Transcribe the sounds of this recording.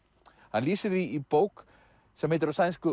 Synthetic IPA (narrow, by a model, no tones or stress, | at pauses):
hanliːsɪðiːpoːwk | sɛmhejt̪ɪɾasajnskʏ